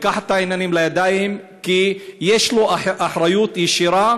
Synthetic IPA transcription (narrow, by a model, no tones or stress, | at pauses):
kaħat̪aʕinanimlajad̪aːjhim | kijeʃloʔaʔaħɾˤajuːt̪jɪʃiɾa